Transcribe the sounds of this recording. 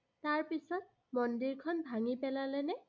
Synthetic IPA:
taɹpisɔt̚ | mɔndiɹkʰɔnbʱaŋipɛlalɛnɛ

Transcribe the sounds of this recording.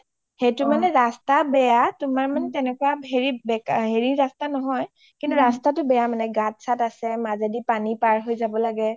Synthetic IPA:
hetʊmanɛɹastabɛjatʊmaɹmanɛtɛnɛkuwaeɹibɛɦeɹiːastanɔɦɔj | kintuɹastatʊbɛjamanɛɡat̚satasɛmazedipanipaɹɦojzabɔlaɡɛ

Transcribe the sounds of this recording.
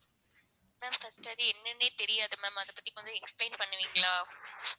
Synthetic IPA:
mɛːmfɐsʈɐðiɛnːɐnet̪ɛɾɪjaːðɯmɛ̃ːmɐðɐpːɐt̪ːikːʋɐnd̪ɯ̃ɛksplẽːnpɐɳːɯʋiːŋɡɐɭaː

